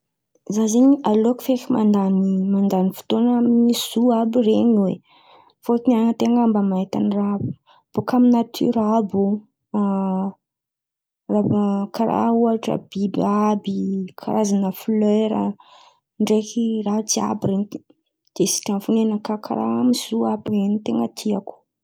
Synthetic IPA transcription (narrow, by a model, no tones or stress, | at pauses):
zazeɲialoku̥fekimand̪animand̪anifu̥t̪onminisuabireɲwḛ | fot̪inaŋət̪eŋɡambəmait̪a̰nirabi̥ | b̥okaminat̪ʰy̰ɾabu | rakaɾa̰uaʈ͡ʂə̰b̥ibabikʰa̰ɾazanəfleɾə̰ | ɳɖ͡ʐekirat͡sia̰bireɲ | d̪̥esi̥ʈ͡ʂanfunenəkakʰa̰ɾa̰miz̥uabireɲit̪eŋət̪ʰiaku̥